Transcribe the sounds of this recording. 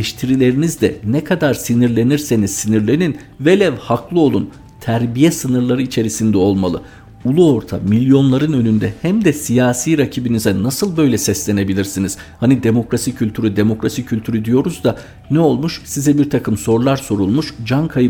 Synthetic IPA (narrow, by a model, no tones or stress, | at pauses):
ɛʃt̪ʰiɾilʲe̞ɾinizd̪ɛnɛkʰad̪aɾsiniɾlʲe̞niɾse̞niz̥siniɾlʲe̞nin | velʲɛvhaklˠɯo̞lˠun | t̪ʰæɾbijɛsɯnɯɾlˠaɾɯit͡ʃʰe̞ɾisind̪ɛo̞lˠmalˠɯ | ulˠuo̞ɾt̪ʰa̰milʲjo̞nlˠaɾɯnø̞nynd̪ɛhæmd̪ɛsijaːsiːɾacʰibinizɛnasɯlˠbø̞jlʲɛsɛslʲe̞ne̞bilʲiɾsiniz̥hanid̪e̞mo̞kɾasicʰylʲt̪ʰyɾyd̪e̞mo̞kɾasicʰylʲt̪ʰyɾyd̪ijo̞ɾuzd̪a | nɛo̞lˠmuʃsizɛbiɾt̪ʰakʰɯmso̞ɾlˠaɾso̞ɾulˠmuʃd͡ʒankʰajɯ